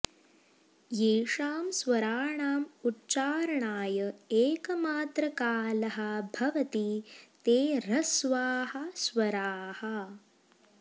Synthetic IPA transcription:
jeːʂaːmsʋɐɾaːɳaːmutːt͡ʃaːɾɐɳaːjɐeːkɐmaːt̪ɾɐkaːlɐɦɐbʱɐʋɐt̪it̪eːɾɐsʋaːhɐsʋɐɾaːhɐ

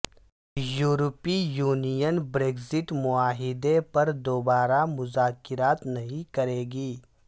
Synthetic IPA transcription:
juːɾəpijuːnijənbɾeːɡzɪʈmʊaːɦɪd̪epɐɾd̪oːbaːɾamʊzaːkɪɾaːt̪nɐɦĩkɐɾeːɡiː

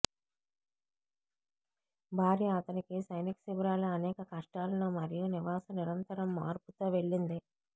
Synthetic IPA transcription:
bʱaːɾiːɐt̪ɐnikisɐjniksiʋɐɾaːlɐɐnɛːkɐkɐʂʈaːlɐnoːmɐɾijuniʋaːsɐniɾɐnt̪ɐɾɐmːa̰ːɾput̪oːʋe̞ɭːind̪i

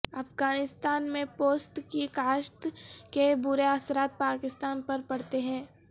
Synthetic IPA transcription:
ɐfɡaːnɪst̪aːnmẽpoːsʈ̪kikaːʃt̪kebʊɾeasɾaːt̪̚paːkɪst̪aːnpɐɾpɐɽt̪eɦɛ̃ː

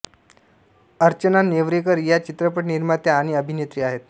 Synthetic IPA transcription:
əɾt͡ɕənaneʋɾikəɾjat͡ɕit̪ɾəpəʈniɾmat̪jaaːɽ̃iəbʱinet̪ɾiːaɦet̪

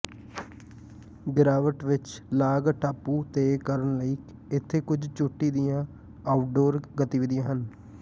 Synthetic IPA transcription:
ɡɾaːʋəʈʋɪt͡ʃlaːɡʈaːpːuːt̪eːkəɾənləiːk | ɪt̪ʰːeːkʊd͡ʒt͡ʃʊʈːiːd̪ɪjãː | aːʊʈ̚ɖoːɾɡət̪iːʋɪd̪ɪjãːɦən

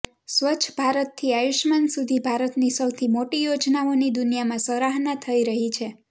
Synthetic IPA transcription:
sʋət͡ʃʰəbʱaɾət̪ːʰiajuʃmansud̪ʱibʱaɾət̪nisəwt̪ʰimoʈijod͡ʒnaonid̪unijamãsəɾaɦnat̪ʰəiɾəɦit͡ʃʰe

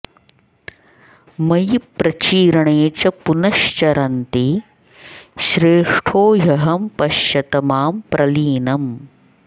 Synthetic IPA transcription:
mɐjipɾɐt͡ʃiːɾɐɳeːt͡ʃɐpunɐʃt͡ʃɐɾɐnt̪i | ʃɾeːʂʈʰoːjɐɦɐmpɐʃjɐt̪ɐmaːmpɾɐliːnɐm

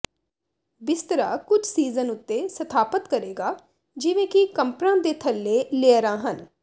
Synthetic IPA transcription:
bɪst̪əɾa̰ːkʊd͡ʒʰsiːzənʊt̪ːeːsət̪ʰaːpət̪kəɾeːɡaː | d͡ʒɪʋẽːkɪkəmpɾãːd̪eːt̪ʰəlːeːleːɾãːɦən

